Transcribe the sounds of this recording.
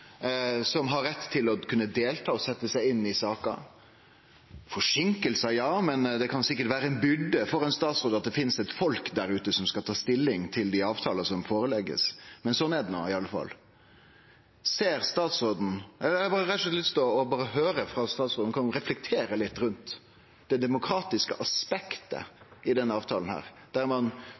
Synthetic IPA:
sɔmɦɑɾːɛt̪ːt̪ʰːɪlɔkʰʉnːəd̪eːlt̪ʰɑːɔsɛt̪ːəsæɪɪnːɪsɑːkɑ̰ | fɔʂɪŋkəlsɑjɑːmɛnd̪ɛkʰɑnsɪkːəɾʈʋæːɾəɛnbʏɖ̪ːəfɔɾɛɪnst̪ɑːt̪sɾoːd̪ɑt̪̚d̪ɛfɪnsɛt̪fɔlkd̪æɾʉːt̪əsɔmskɑlt̪ʰɑːst̪ɪlːɪŋt̪ʰɪld̪ɪɑːʋt̪ʰɑːlɑsɔmfoːɾəlɛɡːə̰smɛnsɔnːɛd̪ɛno̰ːɪɑlːəfɑ̰lː | seːɾst̪ɑːt̪sɾoːd̪n̩ʔɛləbɑːɾəɾɛt̪ːɛt̪lɪst̪oːɔbɑːɾəɦøːɾəfɾɑst̪ɑːt̪sʁoːd̪nkʰɑnɾɛflɛk̚t̪ʰeːɾəlɪt̪ːɾʉnt̪ | d̪̥ɛd̪ɛmʊkʰɾɑːt̪ɪskəʔɑspɛkt̪ə̰ɪd̪ɛnːəɑːʋt̪ʰɑːlən̩hæ̰ːɾd̪̥æɾmɑn

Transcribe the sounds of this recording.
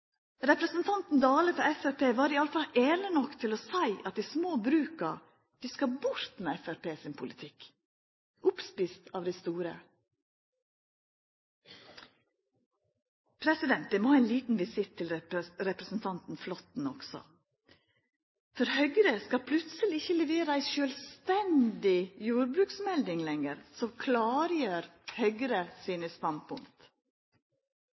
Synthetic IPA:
ɾɛpɾəsnt̪ʰɑnt̪n̩d̪ɑːləfɾɔɾɛfæɾpʰeːʋɑːɾɪɑləfɑlʔeːlənɔkt̪ʰɪloːsæɪʔɑt̪̚d̪iːsmoːbɾʉːkɑ | d̪̥iːskɑbʊɾt̪meːɛfæɾpeːsɪnpʰʊlɪt̪ʰɪk | ʔʊpspɪst̪ɑːʋd̪ɪst̪uːɾə̰ | pʰɾɛsɪd̪ɛnt̪̚d̪ɛmoːæɪnliːt̪n̩ʋɪsɪt̪ʰːɪlɾɛpɾəsn̩t̪ʰɑnt̪n̩flɔt̪n̩ɔksɔ̰ | fɔɾhœʏɡɾəskɑpʰlʉt̪səlɪɪçəlɛʋeːɾəæɪʃøːlst̪ɛnd̪ɪjuːɾbɾʉːksmɛld̪ɪŋlɛŋəɾsɔkʰlɑːɾjøːɾhœʏɡɾəsiːnəst̪ɑnd̪̚pʰʊŋkt̪

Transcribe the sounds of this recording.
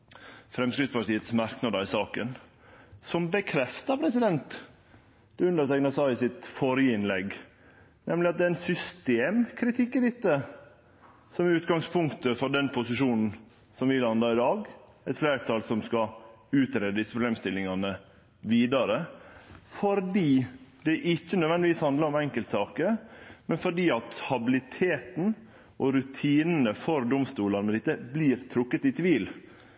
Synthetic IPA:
fɾɛmskɾɪt̪spɑɾʈt̪iːət̪smɑɾknɑd̪əɾɪsɑːkən | sɔmbəkʰɾɛft̪ɑɾpʰɾɛsɪd̪ɛnt̪ | d̪̥ɛʉnd̪əɾt̪ɛknɑsɑəsɪt̪fɔɾjəɪnlɛɡ | nɛmlɪɑt̪̚d̪ɛːæɪnsʏst̪eːmkʰɾɪt̪ʰɪkːɪd̪ɪt̪ːə | sɔmʉːt̪ɡɑŋspʰʊŋkt̪əfɔɖɛnpʰʊsɪʂuːnn̩ | sɔmʋɪlɑnd̪ɑɪd̪ɑːɡ | ɛt̪fleːɾt̪ʰɑːlsɔmskɑʉːt̪ɾeːd̪əd̪ɪsːəpʰɾʊbleːmst̪ɪlːɪŋɑnə | ʋiːd̪ɑɾə | fɔɾɖiːd̪ɛʔɪçːənœd̪ʋɛnd̪ɪʋiːshɑnd̪ləɾɔmɛŋkəlt̪sɑːkəmɛnfɔɖiːɑt̪hɑbɪlɪt̪ʰeːt̪n̩ | ʔɔɾʉt̪ʰiːnənəfɔɾd̪ʊmst̪uːlɑnmɛd̪ɪt̪ːəbliːɾt̪ʰɾʊkːət̪ɪt̪ʰʋiːl

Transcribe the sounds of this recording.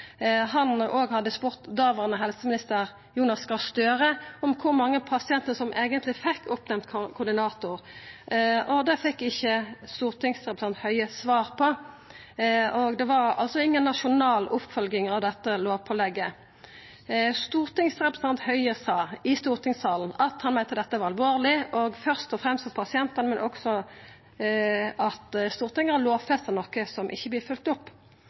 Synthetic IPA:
hɑnʔoːɡhɑd̪ːəspʊʁt̪d̪ɑːʋəʁnəɦɛlsəmɪnɪst̪əʁ | juːnɑskɑst̪øːʁəɔmkʰʊʁmɑŋːəpʰɑsɪɛnt̪əəsɔmʔeːɡənt̪lɪfɛkʰːʊpnɛmt̪kʰkʰʊd̪ɪnɑːt̪ʊʁ | ɔd̪ɛfɛkːɪçːəst̪uːʁt̪ɪŋsʁɛpɾəsɑnt̪hœʏəsʋɑːʁpʰɔ | ɔɡd̪ɛʋɑʁɑ̰lsɔɪŋːənːɑʃʊnɑːlʊpfœlɡɪŋɑʋd̪ɛt̪ːəloːʋpʰɔlɛɡːə | st̪uːʁt̪ɪŋsʁɛpɾɛ̥sɑnt̪hœʏəsɑːɪst̪uːʁt̪ʰɪŋsɑːlnɑt̪hɑnmɛɪt̪əd̪ɛt̪ːəʋɑʁɑlʋoːʁlɪʔɔɡfœʁst̪ɔfʁɛmst̪ɔpʰɑsɪɛnt̪ənmɛnʔɔksɔ | ɑt̪st̪uːʁt̪ɪŋəɑloːʋfɛst̪ənɔkːəsɔmʔɪ̰çːəblɪːfʉlt̪ʊpː

